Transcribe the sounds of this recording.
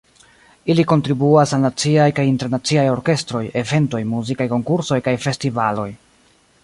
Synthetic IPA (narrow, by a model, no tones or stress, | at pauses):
iliko̞ntɾibuasalnat͡siajkajinte̞ɾnat͡siajo̞ɾke̞stɾo̞je̞ve̞nto̞jmuzikajko̞ŋkuɾso̞jkajfe̞stivalo̞j